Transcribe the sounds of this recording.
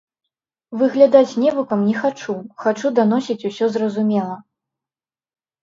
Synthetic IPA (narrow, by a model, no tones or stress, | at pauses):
vɨɣlʲad̪at͡sʲnʲɛvukɐmnʲɛxat͡ʂuxat͡ʂud̪an̪ɔsʲit͡sʲusʲɔzrɐzumʲɛlˠɐ